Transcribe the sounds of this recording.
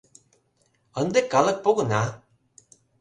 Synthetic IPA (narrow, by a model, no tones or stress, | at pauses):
ənd̪ekalək̚poɣəna